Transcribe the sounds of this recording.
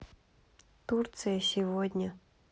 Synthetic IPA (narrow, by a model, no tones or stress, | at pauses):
t̪urt̪sɨjəsʲɪvodʲnʲə